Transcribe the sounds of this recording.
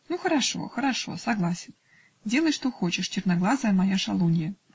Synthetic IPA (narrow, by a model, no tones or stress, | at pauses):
nuxəɾɐʂo̞̰xəɾɐʂo̞̰sɐɡlˠasʲɪn | dʲe̞lˠəjʂt̪o̞xo̞t͡ɕɪʂt͡ɕɪrnɐɡlˠazəjəmɐjaʂɐlˠunʲɪjə